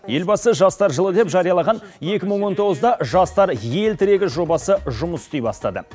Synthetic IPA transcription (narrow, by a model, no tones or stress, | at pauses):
je̞lbɑsəʒɑst̪ɑɾʒəlˠəd̪e̞pʒɑɾijɑlˠɑʁɑnje̞kʲɪməɴwo̞nt̪ʰo̞ʁəzd̪ɑʒɑst̪ɑɾje̞lt̪ʰɪɾe̞ɡʲɪʒo̞bɑsəʒʊməst̪ejbɑst̪ɑd̪ə̰